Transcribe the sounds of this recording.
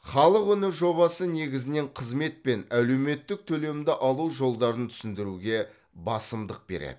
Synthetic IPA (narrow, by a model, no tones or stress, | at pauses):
χɑlˠəqʏnɪʒo̞βɑsəne̞ɡʲɪzɪne̞ɴqʰəzme̞t̪̚pe̞næle̞wme̞t̪ːɪk̚t̪ʰɵle̞md̪ɪʔɑlˠuʒo̞lˠd̪ɑɾənt̪ʰʏ̥sɪnd̪ɪɾuɡʲe̞ | bɑsəmd̪əq̚be̞̰ɾḛd̪̥ɪ